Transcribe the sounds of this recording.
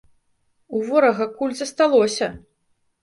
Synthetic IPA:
uvɔɾɐɣɐkulʲzɐst̪alˠɔsʲɐ

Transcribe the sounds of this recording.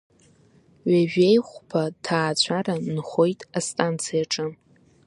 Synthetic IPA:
ɥaʒᶣejχʷpʰatʰaːt͡ɕʷʰaɾanχo̞jtʼastʼant͡sʰijaʈ͡ʂʼɨ

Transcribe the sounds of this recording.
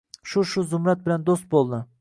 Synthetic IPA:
ʃuʃuzʊmɾɛt̪̚bɪlɛnd̪ost̪̚bolˠd̪ɨ

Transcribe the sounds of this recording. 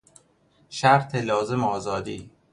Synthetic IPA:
ʃæɾt̪ʰelɒːze̞meɒːzɒːd̪iː

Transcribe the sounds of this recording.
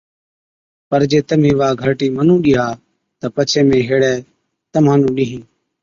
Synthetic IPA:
pəɾd͡ʒeːt̪əmiẽːʋaːɡʱəɾʈiːmənũːɗɪːɦaː | t̪əpət͡ʃʰeːmẽːɦeːɽɛː | t̪əmãːnũːɗiːɦĩː

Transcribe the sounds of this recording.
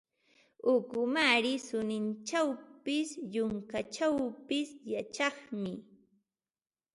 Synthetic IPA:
ʊkʊmaɾɪsʊnɪnt͡ʃawpɪsjʊŋkat͡ʃawpɪsjat͡ʃɑχmɪ

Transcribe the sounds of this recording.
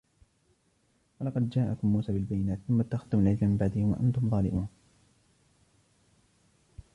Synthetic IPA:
wɑlɑqɑd̪d͡ʒaːʔakʊmːuːsaːbɪlbajːɪnaːt̪θʊmːat̪ːaxad̪ːʊmalʕɪllamɪmbaʕd̪ɪhɪmwa̰ʔa̰nt̪ʊmðˤɑːlɪ̰mʔuːn

